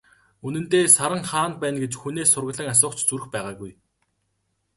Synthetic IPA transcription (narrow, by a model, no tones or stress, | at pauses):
ɵnɘ̆nt̪eːsaɾə̆ŋχaːnt̪̚pæːnɡet͡ɕxuneːsːʊrɣə̆ɮə̆ŋas̬ʊːt͡ɕt͡suɾɘ̆xpæːʁaːɣuj